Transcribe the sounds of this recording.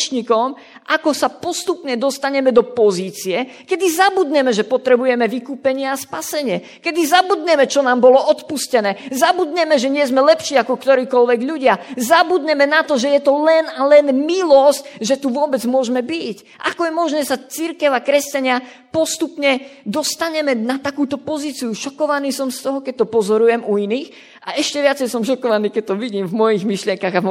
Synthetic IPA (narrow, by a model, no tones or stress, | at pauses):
t͡ʃɲikɔm | ʔakɔsapɔst̪upɲɛd̪ɔst̪aɲɛmɛd̪ɔpɔziːt͡siɛkɛd̪izabud̪ɲɛmɛʒɛpɔt̪ɾɛbujɛmɛʋikuːpɛɲɪɛaspasɛɲɪɛ | kɛd̪izabud̪ɲɛmɛt͡ʃɔnaːmbɔlɔɔt̪puscɛnɛːzabud̪ɲɛmɛʒɛɲɪɛzmɛlɛpʃiːakɔkt̪ɔɾiːkɔlʋɛɡʎuɟɪazabud̪ɲɛmɛnat̪ɔʒɛjɛt̪ɔlɛnalɛnmilɔscʒɛt̪uʋʊɔbɛd͡zmʊɔʒmɛbic | ʔa̰kɔjɛmɔʒnɛːsat͡siɾkɛʊakɾɛscaɲɪa | pɔst̪upɲɛd̪ɔst̪aɲɛmɛnat̪akuːt̪ɔpɔziːt͡sijuʃɔkɔʋaniːsɔmst̪ɔɦɔkɛc̚t̪ɔpɔzɔɾujɛmuiniːx | aʔɛʃcɛʋɪat͡sɛjsɔmʃɔkɔʋaniːkɛc̚t̪ɔʋiɟiːmvmɔjiɣmiʃlɪɛŋkaɣa